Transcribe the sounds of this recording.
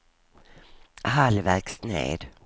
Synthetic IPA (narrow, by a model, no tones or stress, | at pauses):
halvæɾksnḛːd̪